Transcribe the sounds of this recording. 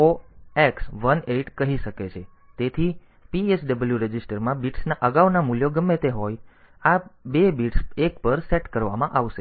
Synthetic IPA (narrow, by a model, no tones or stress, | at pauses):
oeksʋəneʈkəɦiʃəket͡ʃʰe | t̪et̪ʰi | piesɖəbəljuɾed͡ʒisʈəɾmãbiʈsnaʔəɡaʋnamuljoɡəmːet̪eɦoj | abebiʈsekpəɾseʈkəɾʋamãʔaʋʃe